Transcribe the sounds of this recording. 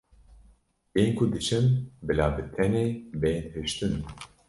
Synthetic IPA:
eːnkʰud̪ɨʃɨmbɨlaːbɨt̪ʰɛnebeːnhɨʃt̪ɨn

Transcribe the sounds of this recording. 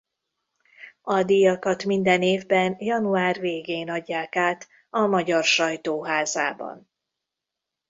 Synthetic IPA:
ɒd̪ijɒkɒt̪mind̪ɛneːvbɛnjɒnuaːrveːɡeːnɒɟːaːkaːt̪ | ɒmɒɟɒrʃɒjt̪oːɦaːzaːbɒ̰n

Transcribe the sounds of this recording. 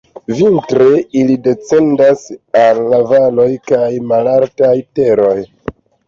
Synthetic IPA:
vintɾe̞ilide̞t͡se̞ndasalːavalo̞jkajmalaltajte̞ɾo̞j

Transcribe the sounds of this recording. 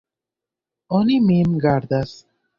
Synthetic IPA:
ɔnimimɡaɾd̪as

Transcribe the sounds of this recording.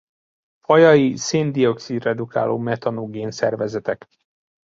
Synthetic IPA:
fɒjɒiseːnd̪io̞ksid̪rɛd̪uka̰ːloːmɛt̪ɒnoɡeːnsɛ̰rvɛzɛt̪ɛk

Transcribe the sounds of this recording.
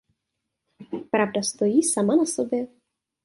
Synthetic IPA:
pɾavdast̪o̞jiːsamanasobjɛ

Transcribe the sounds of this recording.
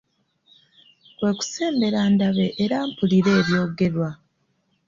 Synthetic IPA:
kwe̞ːku̥se̞ːmbe̞ɾandaβe̞ʔːɾaːmpuliɾe̞ːβjo̞ːɡe̞ɾwa

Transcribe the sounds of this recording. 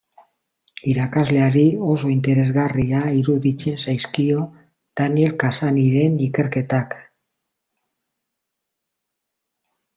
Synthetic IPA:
iɾakazle̞aɾio̞so̞int̪e̞ɾe̞zɣariaiɾuðit͡se̞nsajskio̞ | d̪̥anie̞lkasaniɾe̞nike̞ɾke̞t̪ak

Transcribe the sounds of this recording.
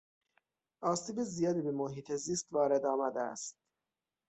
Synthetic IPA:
ʔɒːsiːbezijɒːd̪ibemoɦiːt̪ʰeziːst̪vɒːɾe̞d̪ɒːmæd̪eæ̰st̪̚

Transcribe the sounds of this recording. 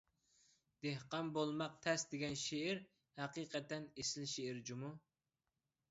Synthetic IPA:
d̪̥ehqɑmbolˠmɑq̚t̪ʰɛsd̪eɡʲɛnʃeiɾ | hæqiːqʰɛt̪ːɛnesɪlʃeiɾd͡ʒumu

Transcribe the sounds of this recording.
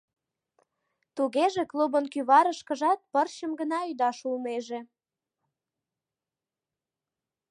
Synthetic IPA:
t̪uɣeʒeklubənkyβɑɾəʃkəʒɑt̪̚pərɕəmɡənɑyd̪ɑʃulmeʒe

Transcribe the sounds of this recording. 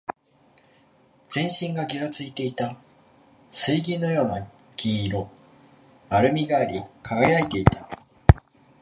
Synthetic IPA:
z̥ẽ̞ɰ̃ɕĩŋɡaɡʲiɾat͡sɨit̪e̞it̪a | sɨiɡʲĩnːo̞jo̞ːna | ɡ̥ʲiɾo̞ | aɾɯ̟mʲiɡaːɾʲikʰaɡajait̪e̞it̪ʰa

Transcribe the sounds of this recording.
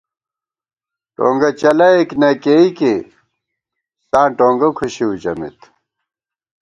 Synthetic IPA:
ʈõ̰ːŋɡɐt͡ɕɐlɐeknɐkeike | sãːʈoːŋɡɐkʰuɕiut͡ɕɐmḭt̪

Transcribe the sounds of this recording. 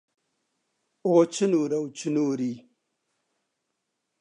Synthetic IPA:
ot͡ʃinuɾawt͡ʃinuːɾi

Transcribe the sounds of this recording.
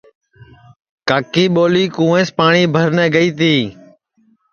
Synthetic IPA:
kaːkiːɓoːliːkũːẽːspaːɳiːbʱəɾnɛːɡəiːt̪iː

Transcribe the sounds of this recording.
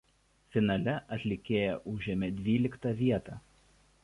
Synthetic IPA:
fʲɪnɐlʲɛʔɐt̪ʲlʲɪkʲeːjɛʔʊʒʲɛmʲed̪ʲʋʲiːlʲɪkt̪ɐˑʋʲiɛt̪ɑː

